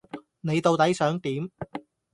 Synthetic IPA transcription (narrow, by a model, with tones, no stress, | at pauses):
ne˨˧jt̪o˨wt̪ɐ˨˥jsœː˨˥ŋt̪iː˨˥m